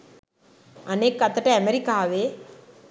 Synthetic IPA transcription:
əneːkːət̪əʈeɛmeɾikaːʋe

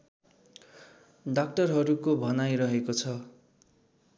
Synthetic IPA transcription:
ɖak̚ʈʌrɦʌɾukobʱʌnajɾʌɦekot͡sʰʌ

